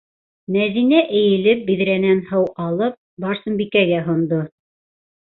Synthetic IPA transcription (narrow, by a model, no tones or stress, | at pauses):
mæðinæʔɘ̆jɘ̆lɘp̚biðɾænænhɤwʔɑlˠɤp̚bɑɾsɤ̆mbikæɡæɦŏnd̪o